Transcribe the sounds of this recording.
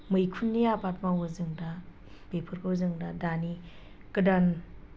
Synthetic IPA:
mɯjkʰunːijapat̚mawɯzɯŋda | bepʰɯɾkʰɯwzɯŋdadani | kɯdan

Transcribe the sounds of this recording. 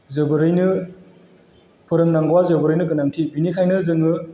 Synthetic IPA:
zɯbɯɾɯjnɯ | pʰɯɾɯŋnaŋɡwazɯbɯɾɯjnɯk̬ɯnaŋtʰibinikʰajnɯzɯŋɯ

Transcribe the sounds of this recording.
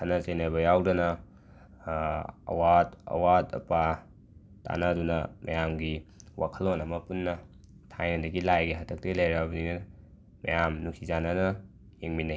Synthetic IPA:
kʰɐnɐsɐjnabɐjawdɐnɐ | ɐ̰watɐ̰watɐ̰pa | ta̰nɐdunɐmɐ̰jamɡiwʔakʰɐlonɐmɐpunːɐ | tʰajnɐdɐɡilajɡeɦɐtʰɐk̚telejɾabɐninɐ | mɐ̰jamnuŋsizananɐ | jeŋmina

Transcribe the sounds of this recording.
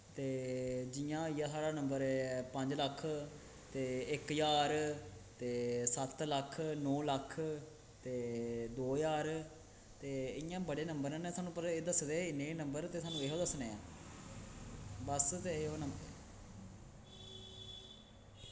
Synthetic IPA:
t̪eːd͡ʒɪjãːɪjãːsaːɽaːnəmbəɾpəɲd͡ʒləkʰː | t̪eːɪkjaːɾt̪eːsət̪ləkʰnɔːləkʰ | t̪eːd̪oːjaːɾ | t̪eːɪjãːbəɽeːnəmbəɾɛ̃ːnẽːsaːnũːpəɾeːd̪əsːd̪eːɪnːeːnəmbəɾt̪eːsaːnũːeɦoːd̪əsneːãː | bəst̪eːeɦoːnəmbɾ

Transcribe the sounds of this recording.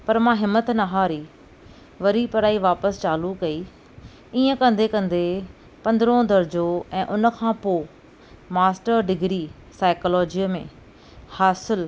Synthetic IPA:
pɐɾmãɦɪmːət̪nɐɦaːɾiː | ʋɐɾipɐɾaːiʋaːpəst͡ɕaːlukɐiː | ĩːə̃kɐ̃nd̪ekɐ̃nd̪e | pɐ̃nd̪ɾõd̪ɐɾd͡ʑoɛ̃ːʔʊnəkʰãːpoː | maːsʈəɾɖɪɡɾiː | saːɪkoːlɔːd͡ʑimẽ | haːsɪl

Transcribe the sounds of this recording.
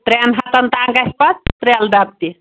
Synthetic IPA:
t̪ɾenɦɐt̪ɐnt̪aŋɡɐspɐt̪ɾeld̪ap̚t̪i

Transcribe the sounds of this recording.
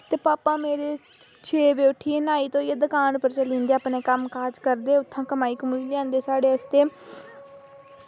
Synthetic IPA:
t̪eːpaːpãːmeːɾeː | t͡ʃʰeːʋeːʊʈʰːiːnaːiːt̪õːɪeːd̪əkaːnpəɾt͡ʃəlĩːnd̪eːaːpneːkəmkaːd͡ʒkəɾd̪eːʊt̪ʰːãːkəmaːiːkəmuiːljãːnd̪eːsaːɽeːəst̪eː

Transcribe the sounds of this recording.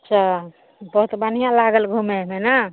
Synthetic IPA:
əːt͡ʃʰa | bəɦut̪ban̤ijãlaɡəlɡʱumemena

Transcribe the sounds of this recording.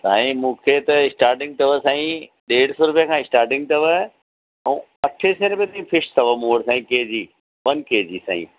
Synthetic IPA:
sa̰ːĩmũːkʰet̪ɐɪsʈaːɾʈɪ̃ŋɡ̚t̪ʰɐʋəsãːĩɗeːɽsoɾʊpjə̃kʰãːɪsʈaːɾʈɪ̃ŋɡ̚t̪ɐʋə̃ | ɐʈʰeseɾʊpijt̪aːĩfʰɪʃsʰɐʋəmũːəɽsãːĩkeːd͡ʑiː | ʋɐnkeːd͡ʑiːsa̰ːḭ̃ː

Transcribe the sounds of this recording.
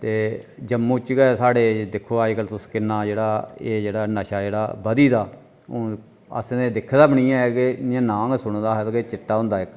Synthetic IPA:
t̪eːd͡ʒəmːũːt͡ʃɡɛːsaːɽeːd̪ɪkʰːoːaːd͡ʒkəlt̪ʊskɪnːãːd͡ʒeːɽaːeːd͡ʒeːɽaːnəʃaːd͡ʒeːɽa̰ːbəd̪iːd̪aː | oː | ə̰sd̪eːd̪ɪkʰːd̪aːbəɽiːãːɛkenɪjãːnãːɡsʊɽ̃d̪aːɦɛt̪ːkeːt͡ʃɪʈːaːɦʊ̃nd̪aːɪk

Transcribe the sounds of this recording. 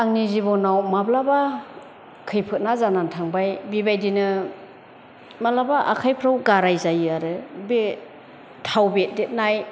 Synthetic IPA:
aŋnizibɔnawmablaba | kʰɯjpʰɯt̚nazanantʰaŋbajbibajdinɯ | malabaʔa̰kʰajpʰɾawɡaɾajzajɯaɾɯbe | tʰawbet̚det̚naj

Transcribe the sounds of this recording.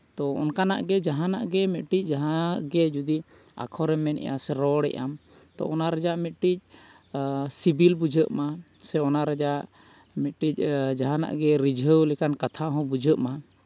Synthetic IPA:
t̪ɔɔ̰nkana̰ʔɡɛd͡ʒaɦãnaʔɡɛmɛt̪̚ʈic̚ˀd͡ʒaɦãʔɡɛd͡ʒud̪i | a̰kʰɔɾɛmɛnɛ̰ja̰sɛɾɔɽɛ̰ʔam | t̪ɔ̰ɔnaɾad͡ʒaʔmɛt̪̚ʈic̚ | sibilbud͡ʒʱəʔma | sɛɔnaɾad͡ʒaʔ | mɛt̪̚ʈic̚ˀd͡ʒaɦãna̰ʔɡɛɾid͡ʒʱəwlɛkankat̪ʰaɦɔ̃bud͡ʒʱəʔma

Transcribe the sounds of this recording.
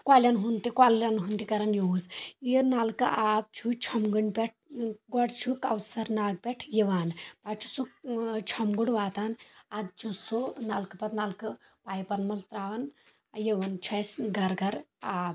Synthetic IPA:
kwaːljɐnɦunt̪ikwaːlɐnɦunt̪ikɐɾɐnjozjinalkɨʔaːb̚t͡ʃʰut͡ʃʰɐmɡɨɳpʲeʈ̚ʰɡɔɽt͡ʃʰukɐwsɐɾnaːɡ̚pʲeʈʰjeʋaːnpaːt͡ʃʰu̥sut͡ʃʰɔmɡuɽʋaːt̪aːnad̪t͡ʃʰusunaːlkɨpɐt̪nalkɨ | paːjpɐɾnmɐzt̪ɾaːʋɐn | jeʋɐnt͡ʃʰɐsɡɐɾɡɐɾaːb

